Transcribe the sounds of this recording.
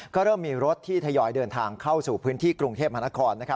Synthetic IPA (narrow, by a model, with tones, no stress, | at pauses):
kɔː˥˩ɾɤː˥˩mːiː˧ɾo˦˥t̪̚ʰːiː˥˩t̪ʰa˧jɔː˧jdɤː˧nt̪ʰaː˧ŋkʰa˥˩wsuː˨˩pʰɯː˦˥nt̪ʰiː˥˩kɾu˧ŋt̪ʰeː˥˩p̚ma˧˥n˩a˦˥kʰɔː˧nːa˦˥kʰa˦˥